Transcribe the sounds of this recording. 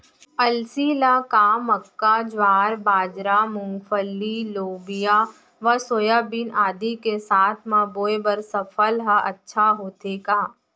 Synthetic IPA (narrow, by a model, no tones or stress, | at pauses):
ɐlsilakaːməkːad͡ʒʋaːɾbaːd͡ʒɾamʊ̃ŋɡfʰəlːiloːbija | ʋəsoːjabinaːd̪ikesaːt̪ʰmãːboːebɐɾsəpʰəlɦɐʔɐtːʃʰaɦoːt̪eːkaː